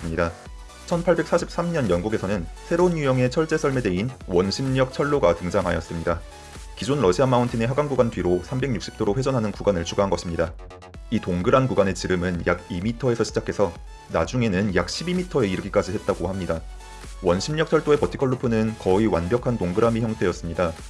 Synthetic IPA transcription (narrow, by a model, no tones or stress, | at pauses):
mɲida | t͡ɕʰʌnpʰaɭbe̞k̚s͈aɕʰip̚s͈amɲʌnjʌnɡuɡe̞sʰʌnɯnsʰe̞ɾounjujʌŋe̞t͡ɕʰʌɭt͡ɕ͈e̞sʰʌɭme̞de̞inwʌnɕʰimɲʌk̚t͡ɕʰʌɭːoɡatɯŋd͡ʑaŋɦajʌs͈ɯmɲida | kid͡ʑonɾʌɕʰiamauntʰine̞ɦaɡaŋɡuɡantɥiɾosʰambe̞ɡ̚ɲuk̚ɕ͈i̥p̚t͈ʰoɾoɸwed͡ʑʌnɦanɯnkuɡanɯɭt͡ɕʰuɡaɦanɡʌɕʰimɲida | itoŋɡɯɾankuɡane̞t͡ɕiɾɯmɯnjaɡimitʰʌe̞sʰʌɕʰid͡ʑakʰe̞sʰʌ | na̰d͡ʑuŋe̞nɯnjak̚ɕʰibimitʰʌe̞iɾɯɡik͈ad͡ʑihe̞t̚t͈aɡohamɲida | wʌnɕʰimɲʌk̚t͡ɕʰʌɭt͈oe̞pʌtʰi̥kʰʌɭːopʰunɯnkʌiwa̰nbjʌkʰantoŋɡɯɾamiçjʌŋtʰe̞jʌs͈ɯmɲida